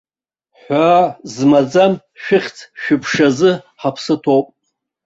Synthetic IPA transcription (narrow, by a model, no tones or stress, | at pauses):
ħʷazmad͡zam | ʃᶣɪχʲt͡sʰʃᶣɪpʰʂazɨ | ħapʰsɨtʰowpʼ